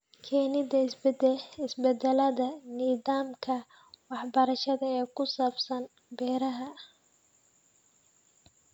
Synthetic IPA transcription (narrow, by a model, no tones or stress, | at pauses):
kʰɛːnɪðɐɪsbɪsbɛd̪ɛlɐðɐniːðaːmkʰɐ | wɑħbɐɾɐʃɐðɐɛːkʰʊsaːbsɐn | bɛːɾɐɦɐ